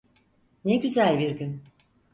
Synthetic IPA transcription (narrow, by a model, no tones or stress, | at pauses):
neɟyzælʲbiɾɟyn